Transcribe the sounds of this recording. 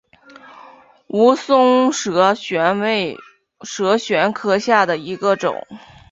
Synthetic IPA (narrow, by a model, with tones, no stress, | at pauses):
u˧˥sʊ˥ŋʂɕɛ˧˥ne˥ɪ | ʂɤ˧˥ɕɥɛ˧˥nkʰɤ˥ɕja˥˩d̪ə˩i˧˥ɡə˧ʈ͡ʂʊ̰˨˩˦ŋ